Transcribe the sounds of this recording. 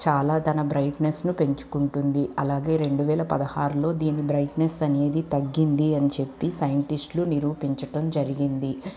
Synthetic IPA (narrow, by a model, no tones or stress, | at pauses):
t͡ʃaːlaːt̪ɐnɐbɾɐjʈnesnupe̞ɲt͡ʃu̥kuɳʈund̪iʔɐlaːɡe̞ːɾe̞ɳɖuʋɛːlɐpɐd̪ɐhaːɾulo̞ːd̪iːnibɾɐjʈnesɐne̞ːd̪it̪ɐɡːind̪iɐnit͡ʃe̞pːisɐjɐɳʈisʈluniɾuːpiɲt͡ʃɐʈɐmd͡ʒɐɾiɡind̪i